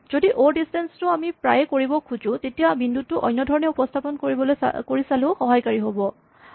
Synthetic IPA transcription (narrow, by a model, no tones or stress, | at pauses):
z̥odiʔoɹdistɛnstʊamipɹajɛkoɹibɔkʰuzʊ̃tetijabindut̚tːʊʔɔ̰jnːɔdʱɔɹɔnɛupɔstʰapɔnkoɹibɔloj̰koɹisalʊ̃xɔɦajkaɹiɦobɔ